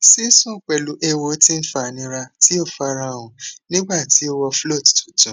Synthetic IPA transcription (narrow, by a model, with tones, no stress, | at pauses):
si˦sũ˦˨k͡pɛ˨lu˨˦ʔɛ˦˧wo˧˦tĩ˦n̩˦fa˨nĩ˧˦ɾa˧ti˦o˦˨fa˧ɾa˧˦˨wũ˨nĩ˦ɡ͡ba˦˨ti˨˦o˧wɔ˧flo˦˨ttu˨tũ˨˦